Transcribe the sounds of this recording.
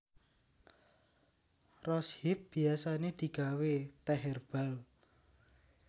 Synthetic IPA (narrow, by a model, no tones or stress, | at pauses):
rɔshɪp̚b̥i̤asaned̪̥i̤ɡ̥a̤wet̪ɛɦɛrb̥al